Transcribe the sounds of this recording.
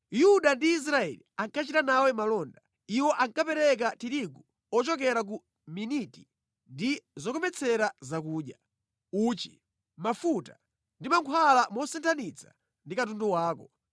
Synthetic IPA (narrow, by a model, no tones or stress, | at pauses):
juɗandiːs̬ɾaɛ̰liaŋkat͡ʃitanawɛmalɔnda | iwɔʔaŋkapɛɾɛk̬atiɾiɡu | ɔt͡ʃɔkɛɾak̬u | miniti | ndizɔkɔmɛt͡sʰɛɾazak̬uːɗja | uːt͡ʃi̥ | mafuta | ndimaŋkʰwalamɔsɛntʰanit͡sʰḁ | ndikatunduwaːkɔ